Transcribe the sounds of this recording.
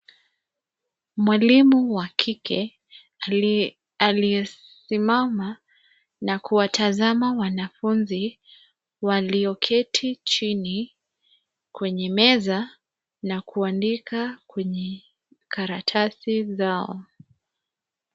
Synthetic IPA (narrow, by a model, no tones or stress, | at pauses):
mwalimuwakʰikʰɛ | aliɛ | simama | nakuwatʰazamawanafunzi | waliɔkʰɛtʰit͡ʃini | kwɛɲɛmɛza | nakʰuandikʰakwɛɲɛ | kʰaɾatʰasizaɔ̰